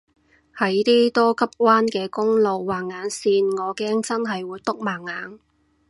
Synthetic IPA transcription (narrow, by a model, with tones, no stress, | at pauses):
hɐ˨˥jt̪iː˥t̪ɔː˥kʰɐ˥p̚wʷaː˥nkɛː˧kʊ˥ŋlo˨wːaː˨˩ŋːaː˨˧˥nsiː˧nŋɔː˨˧kɛː˥ŋt͡sɐ˥nɦɐ˨jwuː˨˧jt̪ʊ˥k̚maː˨˩ŋːaː˨˥n